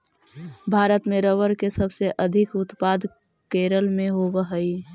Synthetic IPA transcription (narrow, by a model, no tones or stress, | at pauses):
bʱaːɾət̪mẽɾəʋəɾkesəbseʔəd̪ʱɪkʊt̪paːd̪ | keːɾəlmẽɦobəɦəi